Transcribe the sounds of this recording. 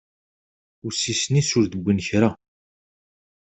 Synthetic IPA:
ʊsisnisʊɾðəɡʷːənçɾa

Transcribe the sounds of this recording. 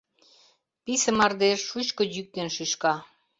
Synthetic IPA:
pisə̆mɑrd̪eʃːut͡ɕkojyk̚t̪enʃyʃkɑ

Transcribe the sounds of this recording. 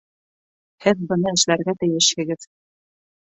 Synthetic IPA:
hɘðbɤ̆nɑɘ̆ʃlæɾɡæt̪ɘ̆jɘʃhɘ̆ɡɘð

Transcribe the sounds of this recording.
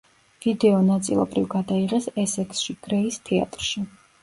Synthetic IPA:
v̥id̪ɛɔnat̪sʼḭlˠɔ̰bɾivɡad̪aiʁɛsɛsɛksʃiɡ̥ɾɛist̪ʰɛa̰t̪ʼɾʃi

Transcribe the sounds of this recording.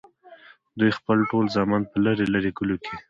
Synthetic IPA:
d̪ujxpəlʈolzɑmɑnpəlaɾelaɾekulokʰe

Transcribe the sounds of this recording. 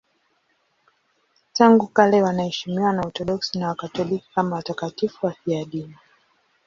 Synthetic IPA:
taŋɡukalɛwanahɛʃimiwanaɔtɔɗɔksinawakatɔliki̥kamawatakatifuwafiaɗini

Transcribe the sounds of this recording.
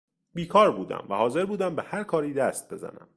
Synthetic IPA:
biːkʰɒːɾbuːd̪æ̰mvæhɒːze̞ɾbuːd̪æmbehæɾkʰɒːɾiːd̪æst̪̚be̞zæ̰næ̰m

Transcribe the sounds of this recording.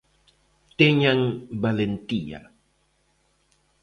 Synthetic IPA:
t̪eɲaŋbalent̪ia̰

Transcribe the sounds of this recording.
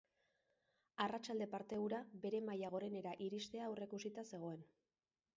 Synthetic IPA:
arat͡ʃald̪e̞paɾt̪e̞uɾabe̞ɾe̞majaɣ̞o̞ɾe̞ne̞ɾaʔiɾist̪e̞aːwre̞kusit̪ase̞ɣ̞o̞e̞n

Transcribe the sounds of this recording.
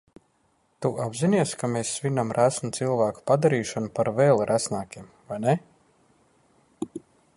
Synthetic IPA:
t̪uʔabzʲiniɛskameːsːvʲinamɾʔæsnut̪silˠvæːku̥pad̪aɾiːʃanupaɾveːlˠɾʔæsnaːkʲiɛm | vajne

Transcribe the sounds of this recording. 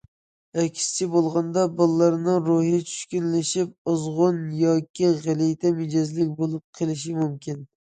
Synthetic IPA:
ɛkʲʰst͡ʃʰɪbolˠʁɑnd̪ɑbɨlˠːɑɾnɪŋɾohɪt͡ʃʰy̥ʃkʲynlɪʃɪp̚ʊzʁʊnjɒkʲʰiʁælɪjt̪ʰɛmɪd͡ʒɑzlɪk̚ʲbolˠɨp̚qʰelˠɪʃ̬ɪmumkʲɪn

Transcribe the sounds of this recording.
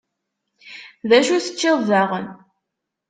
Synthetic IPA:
ðæʃuθə̥t͡ʃːɪððaʁən

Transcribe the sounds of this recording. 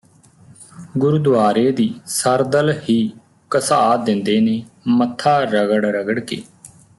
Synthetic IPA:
ɡʊɾʊd̪ʋaːɾeːd̪iːsəɾd̪əlhiː | kəsaːd̪ɪ̃nd̪eːneːmət̪ʰːaːɾəɡəɽɾəɡəɽkḛː

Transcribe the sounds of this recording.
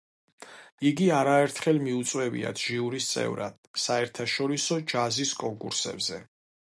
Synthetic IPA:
iɡiaɾaɛɾt̪ʰχɛlmiut̪sʼwɛbḭa̰t̪ʰʒiuɾist̪sʼɛ̰vɾa̰d̪̥̚saɛɾt̪ʰaʃɔɾisɔd͡ʒaziskʼɔŋkʼuɾsɛ̰bzɛ

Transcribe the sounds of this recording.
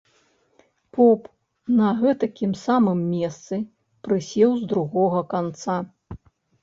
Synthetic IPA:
pɔp | nɐɣɛt̪ɐkʲimsamɨmːʲɛst̪sɨ | pɾɨsʲɛwzd̪ɾuɣɔɣɐkant̪sa

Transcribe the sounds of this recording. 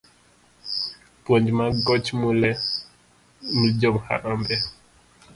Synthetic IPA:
pwɔɲd͡ʒmaɡɔt͡ʃmulɛ | nid͡ʒɔmha̰ɾambɛ

